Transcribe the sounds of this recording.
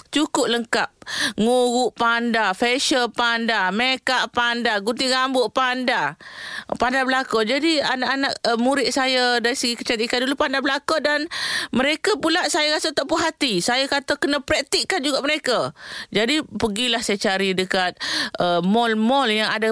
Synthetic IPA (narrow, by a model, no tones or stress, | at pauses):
t͡ʃukʊp̚ləŋkap̚ŋuɣuʔpandafɛʃəpandamekaʔpandaɡut̪̬iɡambʊʔpanda | pandabəlakod͡ʒadianaʔanaʔəmuɾɪt̪̚sajadaɾisəɡikə̥t͡ʃat̪ikandulupandablakodanməɾekapulaʔsajaɾasat̪aʔpuɦat̪isajakat̪akənəpɾɛk̚t̪iʔkːand͡ʒuɡaʔməɾekad͡ʒadipəɡilahsajat͡ʃaɾidəkat̪̚əmɔlmɔljaŋada